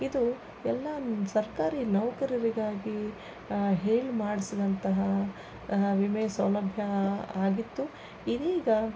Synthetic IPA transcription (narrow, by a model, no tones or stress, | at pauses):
id̪u | ɛlːɐsɐɾkaːɾinɐwɐkɐɾɐɾiɡaːɡi | ɦeːɭmaːɽisid̪ɐnt̪ɐɦɐ | ʋimeːsɐwlɐbʱjɐaːɡit̪ːu | id̪iːɡɐ